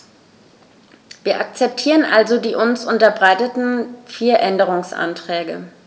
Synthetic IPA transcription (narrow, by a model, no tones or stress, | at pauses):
viːɐʔak̚t͡sɛp̚tʰiːʁənʔalzodiːʔʊnsʔʊntɐbʁaɪtətn̩fiːɐʔɛndəʁ̞ʊŋsʔa̰ntʁ̥ɛːɡə̰